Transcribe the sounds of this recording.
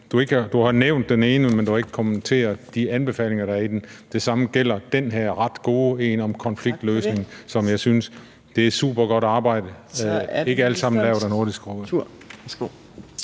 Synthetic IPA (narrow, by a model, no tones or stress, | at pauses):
d̥ue̝ɡ̥əɑd̥uhɑ̈neʊnd̥ːene̝ːnəmend̥uhɑ̈e̝ɡ̥ə̥kʰomən̩t͡sʰe̝̰ːɐd̥iænb̥e̝fɛ̰ːle̝ŋɐɾ̥ɑ̈æɐid̥end̥e̝sɑ̈məɡ̥el̰ɐd̥enɦæɐ̰ʁɑ̈d̥ɡ̥o̝ːe̝ːnɒ̽mkʰɒ̽nfliɡ̥̚d̥løːsne̝ŋ̩sɒ̽mjɑ̈ɪsyns | d̥e̝ɪ̥sṵːb̥ɐɡ̥ɒ̽ɾ̥ɑ̈ːb̥ɑ̈ɪ̰d̥ə | e̝ɡ̥əæləsɑ̈m̰n̩lɛːʊɾ̥ɑno̝ɐd̥isɡ̥ʁub̥ə̥ | o